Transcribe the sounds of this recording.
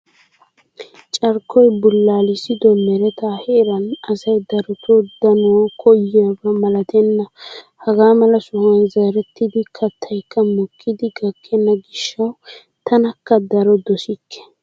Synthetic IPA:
t͡ʃʼɐɾkʰːɔjbʊlːaːlɪsɪd̪ɔmɛɾɛt̪aːhɛːɾɐnɐsɐjd̪ɐɾɔt̪od̪ɐnɔɔkʰɔjɪjɐbɐmɐlɐt̪ʰɛnːɐ | hɐɡaːmɐlɐsʊhɐnzaːɾɛt̪ːɪd̪ɪkʰɐt̪ʰːɐjkʰːɐmɔkʰːɪd̪ɪɡɐkʰːɛnːɐɡɪʃːɐw | t̪ʰɐnɐkːɐd̪ɐɾɔd̪ɔsɪkʰːɛ̥

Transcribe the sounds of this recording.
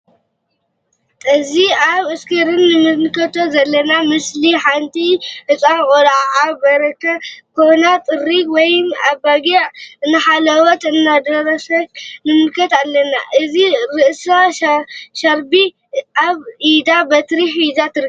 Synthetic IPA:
ɨziaβɨskʰɨɾɨnːɨmɨlkʰɐt̪ʰo̞zɐlːɐnamɨsliħant̪ʰiʔɨt͡sʼankʼolʕʕabɐɾɐkʰɐkʰonat̪ʼɨrikwɔjmaβbaɡiʕɨnːɨħalɐwɔt̪ɨnːad̪ɐɾɐsɐtnɨmɨlkʰɐt̪alːɐna̰ʔɨziɾɨʔsa | ʃɐɾbi | ʔaβid̪abɐt̪ɨɾiħʔid̪at̪ʰɨɾ

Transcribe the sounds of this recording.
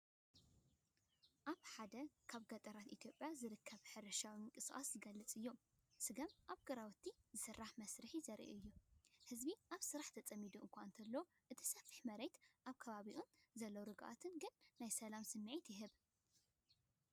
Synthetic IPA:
ʔaβħad̪ɐkʰaβɡɐt̪ʼɐɾat̪it̪ʰjo̞pʼjazɨɾɨkʰːɐβħɨɾɐʃawiŋkʼɨsʔʼa̰szɨɡɐlːɨt͡sʼɨjːo̞m | sɨɡɐmʔaβɡɐɾawɔt̪ʰːizɨsɨrːaħmɐsɾɨħizɐɾʔṵɨjːuhɨzbiʔaβsɨɾaħt̪ʰɐt͡sʼɐmːid̪uʔɨŋkʷant̪ʰɐlːɐo | ʔɨt̪ʰi̥sɐfi̥ħmɐɾejt̪ʔaβkʰɐβaβiʔunzɐlːowɾɨɡʔa̰t̪ʰɨnɡɨnːajsɐlamsɨnːɨʕit̪jɪɦɨβ

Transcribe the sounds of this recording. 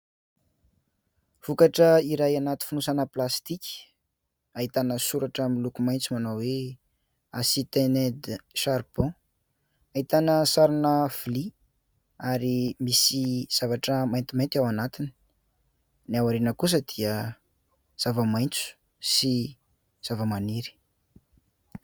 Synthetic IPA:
v̥ukaʈ͡ʂəiɾajanat̪i̥funusanəplast̪ikʲ | ait̪anəsuɾaʈ͡ʂamilukumajnt͡sumanawe | a̰sit̪enɛd̪ʃaɾb̥ɔ̃ | ait̪anəsaɾinəv̥li | aɾimisiz̥avaʈ͡ʂəmajnt̪imajnt̪awanat̪ini | nawaɾenəkus̬əd̪iə | z̥avəmajnt͡su̥ | si | z̥avəmaniɾi̥

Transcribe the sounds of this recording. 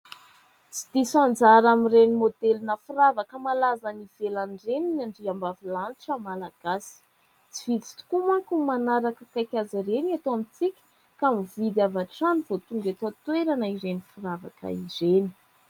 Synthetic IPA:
t͡si̥d̪̥isond͡zaɾamirenimod̪elinəfuravakəmalazaniv̥elanreninaɳɖ͡ʐiambavilanʈ͡ʂamalaɡ̥asi̥ | t͡si̥vit͡si̥t̪u̥kumakumanaɾakəkajkʲazaɾeniat̪oamit͡sikʲə̥ | kamivid̪avaʈ͡ʂaniv̥ot̪uŋɡat̪at̪weɾanəiɾenifiɾavakə̰izeni̥

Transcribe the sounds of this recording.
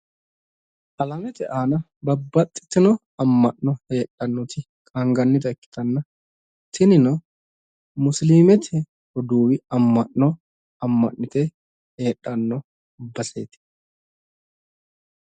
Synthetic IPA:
ʔɐlɐmɛt̪ɛʔaːnɐ | bɐbːɐt̪ʼːɪ̥t̪ːɪnɔ | ɐmːɐʔnɔhe̞ːɗɐnːɔt̪ɪ | kʼɐŋɡɐnːɪt̪ɐɛkːɪ̥t̪ɐnːɐ | t̪ɪnɪnɔ | mʊsliːmɛt̪ʰɛ | hɔd̪uːwɪɐmːɐʔnɔ | ɐmːɐ̰ʔnɪt̪ɛ | he̞ːᶑʼːɐnːɔ | bɐsḛːt̪ɪ̥

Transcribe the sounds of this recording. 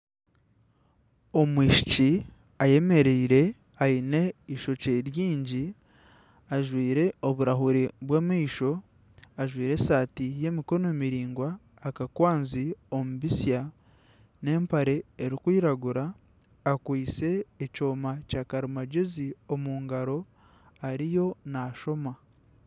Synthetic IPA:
o̞mwiːʃi̥ci | aje̞me̞ɾeɾe̞ | aine̞iʃo̞ceɾjiːɲɟi | aʒwiːɾe̞o̞βuɾaɦuɾeβweːmiːʃo̞ | aʒwiːɾe̞saːtije̞miko̞noːmiɾiːŋɡwaː | kakwaːnziomuβisja | ne̞ːmpaɾe̞ːɾikwiːɾaɡuɾaː | kwiːse̞ːco̞ːmacaːkaɾimaɟezio̞muːŋɡaɾo̞ | aɾijo̞naʃo̞ma

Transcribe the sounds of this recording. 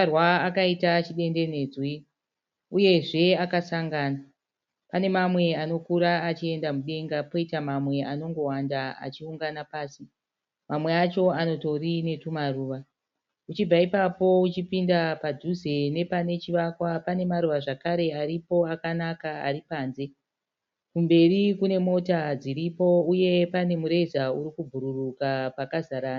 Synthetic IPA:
rwaːkaitat͡ʃiɗe̞nde̞ne̞ːd͡zwi | uje̞ʐe̞akasaŋɡaːna | pane̞mamwe̞ano̞kuɾaːt͡ʃie̞ndamuɗe̞ŋɡapo̞itamamwe̞ano̞ŋɡo̞wandaa̰t͡ʃiuŋɡanapaːsi | mamwe̞at͡ʃo̞ano̞to̞rine̞tumaruːʋa | ut͡ʃib͡vaipapo̞ut͡ʃipindapadʱuze̞ne̞pane̞t͡ʃiʋakwapane̞maɾuʋaʐakaɾe̞aɾipo̞akanakaa̰ɾipaːnze̞ | kumbe̞rikune̞mo̞tad͡ziɾipo̞uje̞pane̞muɾe̞zauɾikubʱuɾurukapakazaɾaːna

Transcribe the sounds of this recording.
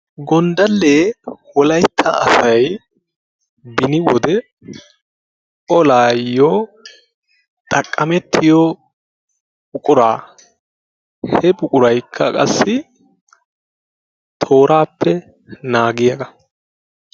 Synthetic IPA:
ɡɔnd̪ɐlːeːwɔlɐjt̪ʰːɐɐsɐj | bɪnɪwɔd̪ɛ | ɔlaːjːo | t̪ʼɐkʼːɐmɛt̪ʰːɪjɔ | bʊkʼʊɾaː | hɛbʊkʼʊɾɐjkʰːɐkʼɐ̰sːɪ | t̪ʰo̞ːɾaːpːɛ | naːɡɪjɐɡɐ

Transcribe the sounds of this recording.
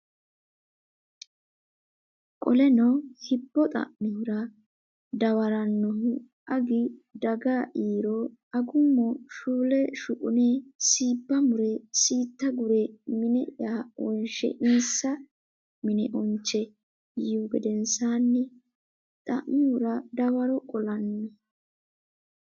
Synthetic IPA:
kʼɔlɛnɐwhɪbːɔt̪ʼɐ̰ʔmɪhʊɾɐ | d̪ɐwɐɾɐnːɔhʊ | ɐɡɪd̪ɐɡaːʔiːɾoɐɡʊmːɔʃuːlɛʃʊkʼʊneːsiːbːɐmʊɾɛsiːt̪ːɐɡʊɾɛmɪnɛʔaːʔɔnʃɛ̰ʔiːsːɐ | mɪnɛʔɔnt͡ʃːɛ | juːɡɛd̪ɛnsaːnːɛ | t̪ʼɐ̰ʔmɪhʊɾɐd̪ɐwɐɾɔkʼɔlɐnːɔ

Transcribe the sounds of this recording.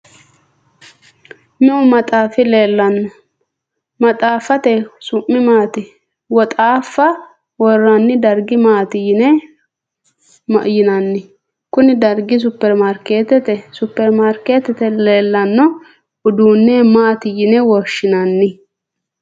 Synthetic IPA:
mɛʔʊmɐt̪ʼaːfɪle̞ːlːɐnːɔ | mɐt̪ʼaːfːɐt̪ɛsʊmːɪmaːt̪ɪ | wɔt̪ʼaːfːɐ | wɔrːɐnːɪd̪ɐɾɡɪmaːt̪ɪjɪnɛ | mɐ̰ʔjɪnɐnːɪ | kʊnɪd̪ɐɾɡɪs̬ʊpːɛɾmaɾke̞ːt̪ɛt̪ɛsʊpːɛɾmaɾke̞ːt̪ɛt̪ɛle̞ːlːɐnːɔ | ʊd̪uːnːemaːt̪ɪjɪnɛwɔʃːɪnɐnːɪ

